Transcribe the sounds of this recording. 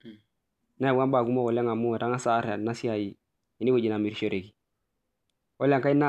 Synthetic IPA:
na˦ɛ˨bu˦a˦ba˨ku˦mɔ˦kɔ˨le˦ŋa˨mu˦ɛ˨ta˦ŋa˦sa˦ɾa˨na˦si˦a˨ji˨ | ɛ˨ni˦bo˦˨d͡ʒi˨na˨mi˨ɾʃo˨ɾe˨ɡi˨ | ɔ˦la˦ŋka˦i˦na˦

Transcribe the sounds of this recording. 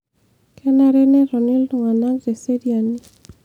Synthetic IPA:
kʰɛ˦na˦ɾɛ˦nɛ˦ɾɔ˨ni˦ldɔ˨ŋa˨na˦ɡde˨se˦dia˨ni˦

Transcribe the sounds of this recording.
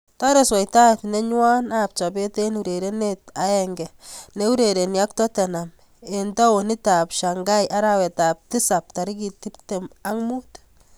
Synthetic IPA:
ta˦ɾe˨swɔ˨jta˦tne˦ɲwa˦na˦p̚t͡ʃɔ˨b̬e˦te˦nu˨ɾe˨ɾe˦ne˦ta˨˦ɛŋɡɛ˨ne˦u˦ɾe˨ɾe˨nja˦k̚tɔ˦tɛ˨na˨m | e˨nta˦o˨ni˦ta˨pʃa˨ŋɡa˦jʔa˦ɾa˦wɛ˨ta˨p̚ti˦sa˨p̚ta˨ɾi˦ki˨ti˦p̚te˨ma˦ŋmu˦t

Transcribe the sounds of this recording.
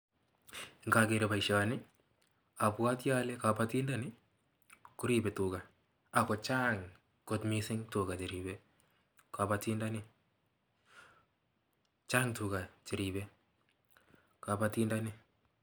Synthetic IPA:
ŋka˨ke˨ɾɔ˨ba˨iʃa˨nɪ˦ | a˨pwa˦tja˦lɛ˦ka˨pati˦nda˦nɪ˦ | kʊ˦ɾi˨bɛ˨tu˨ka˨ | a˨kɔ˨t͡ʃa˦ŋ | ko˨tmisɪ˦ŋtu˨ka˨t͡ʃɪ˨ɾibɛ | ka˨pati˦nda˦nɪ˦ | t͡ʃaː˦ŋtu˨ka˨t͡ʃɪ˨ɾibɛ | ka˨pa˨ti˦nda˦nɪ˦

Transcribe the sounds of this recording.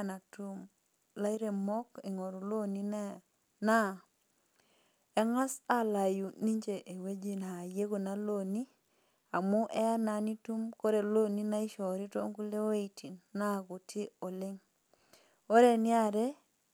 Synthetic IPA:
na˨tu˦m | la˦i˦ɾe˨mɔ˦ke˨ŋɔ˨ɾu˨lo˦ni˦n˦ | na˦˨ | ɛ˦ŋa˦sa˦la˨ju˨ni˦ɲd͡ʒe˨ʔe˨we˦d͡ʒi˦˨na˨je˦ko˨na˦lo˦˨ni˦ | a˨mu˦ʔɛ˦a˦na˨˦ni˦tu˦mko˦ɾe˨lo˦ni˦na˦i˦ʃɔ˨ɾi˦to˦ŋku˦le˦o˦i˨ti˨nːa˦˨ku˨tʰi˦o˨lɪ˦ŋ | o˦ɾe˨nɪ˦a˦ɾe˦

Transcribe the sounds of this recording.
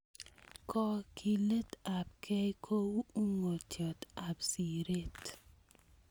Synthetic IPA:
kɔ˦kʰi˨le˦ta˨p̚kʰɛ˦kʰo˦wu˦u˦ŋo˨tjɔ˨ta˨psi˨ɾe˦t

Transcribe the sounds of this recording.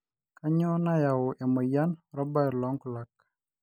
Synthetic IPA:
ka˦ɲɔ˦na˦ja˨wʊ˨ʔɛ˨mɔ˨ja˦nɾɔ˦ba˦˨ɾlɔ˦ŋkla˨k̚

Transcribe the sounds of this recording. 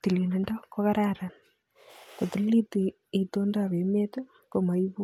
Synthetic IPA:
ti˨li˨ne˦nda˦ko˦ɣa˦ɾaɾa˨n | ko˨ti˨lli˦ti˨ | e˨t̪o˦nda˦βe˨me˦to˦ | ko˦ma˨iβu˦

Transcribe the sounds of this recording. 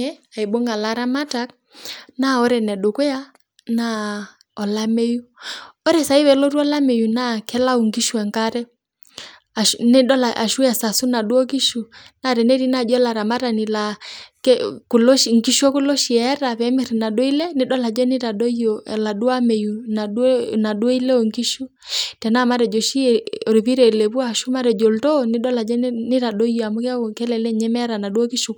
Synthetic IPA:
ɛ˦a˨i˨ɓɔ˦ŋɡa˨la˨ɾa˦ma˦ta˨k̚ | na˦ɔ˦ɾɛ˨nɛ˨ɗo˨kɔ˦ja˦ | na˦ | ɔ˨la˦me˦ju˦ɔ˦ɾɛ˨sa˨i˦wɛ˨lɔ˦ɾu˦ɔ˦la˦mɛ˨ju˨na˦kɛ˦la˦u˨ŋɡi˦ʃu˨ɛ˨ŋka˦ɾɛ˦ | a˨ʃnɛ˦ɗɔ˦la˨ʔa̰˨ʃu˦ɛ˨sa˨su˦na˨ɗu˦ɔ˦k̬i˦ʃu˨na˦ɾɛ˨nɛ˦ɾi˦na˦˨d͡ʒɔ˦ɛ˦la˨ɾa˨ma˦ɾa˨ni˨la˨kɛ˦ku˨lo˦ʃŋ˨ki˦ʃɔ˦ku˦lɔ˦ʃi˨ɛ˨ɛ˦ɾa˨βɛ˨˦mi˦ɾi˨na˨ɗo˦i˦lɛ˦ni˦ɗɔ˦la˨d͡ʒɛ˦ni˦ɾa˨ɗɔ˦iɔ˨la˨ɗu˦a˦mɛ˨ju˨na˨˦na˨ɗwo˦i˦lɛ˦o˨ŋki˦ʃu˦ | tɛ˨na˦˨ma˦ɾɛ˨d͡ʒɔ˨ʃi˦˨o˨ɾi˨βi˦ɾɛ˨lɛ˨βu˦a˦˨ʃu˦ma˦ɾɛ˨d͡ʒɔ˨ltɔ˦ni˦ɗɔ˦la˨d͡ʒɛ˦ni˦ɾa˨ɗo˦i˦ɔ˨a˨mu˦ka˦o˨kɛ˦lɛ˨lɛ˦ɲɛ˦mɛ˦ɾa˨na˨ɗu˦ɔ˦ki˦ʃu˨

